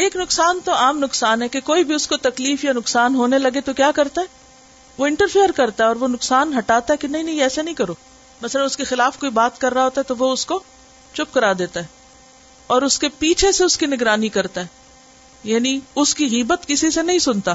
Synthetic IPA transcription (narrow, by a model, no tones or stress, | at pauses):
eːknʊksaːnt̪oaːmnʊksaːnɦɛkekoːibʱiʊskot̪ɐkliːfjanʊksaːnɦoːnelɐɡet̪okjaːkɐɾt̪aɦɛː | ʋoɪ̃ɳʈəɾfijəɾkɐɾt̪aɦɛɔːɾʋonʊksaːnɦɐʈaːt̪aɦɛkenɐɦĩnɐ̃ɦĩɛːsenɐɦĩkɐɾoː | mɐsələnʊskexɪlaːfkoːibaːt̪kɐɾːaɦoːt̪aɦɛt̪oʋoʊsko | t͡ʃʊp̚kɐɾaːd̪eːt̪aɦɛː | ɔːɾʊskepiːt͡ʃʰeseʊskinɪɡɾaːnikɐɾt̪aɦɛː | jaːniʊskiɣiːbət̪kɪsisenɐɦĩsʊnt̪aː